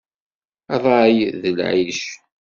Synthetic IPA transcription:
ðˤɑjðəlʕiʃ

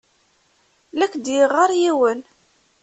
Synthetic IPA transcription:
lækd̪jiʁɑɾˤjiwən

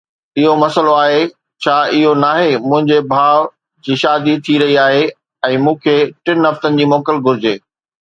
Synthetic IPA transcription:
ɪɦomɐsəloaːɦe | t͡ɕʰaːɪɦonaːɦemʊ̃ɦɪ̃ɲd͡ʑebʱaːʋ | d͡ʑiːʃaːd̪it̪ʰiɾɐɦiaːɦe | ɛ̃ːmũːkʰeʈɪnɦɐft̪ənɪ̆d͡ʑiːmɔːkəlɡʱʊɾɪd͡ʑeː

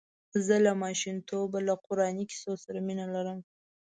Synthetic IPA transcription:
zəlamɑʃint̪obalaqʊɾɑniki̥sosaɾaminalaɾəm

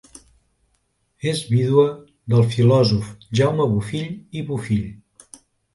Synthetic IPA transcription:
ezβiðwə | d̪əlˠfilɔzufʒawməβufiʎiβufiʎ

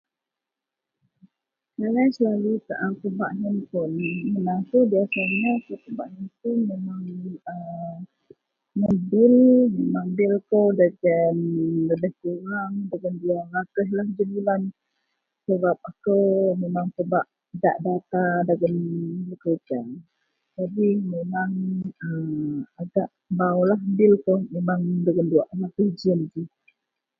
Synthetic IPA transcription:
kalajsəlalut̪aʔapəbaʔɦənpʊnmənakubiasaɲakəkəbaʔɦənpumemaŋə | ŋəbɪlmemaŋbɪlkəwdaɡənləbəhkuɾaŋdaɡənduaʔlakəɦlahd͡ʒəmilan | səbap̚akəwmemaŋpəbaʔ | da̰ʔdat̪adaɡənləkəd͡ʒa | d͡ʒadimemaŋəaɡaʔ | bawlaɦbɪlkomemaŋdəɡənduaʔlakəd͡ʒənd͡ʒi

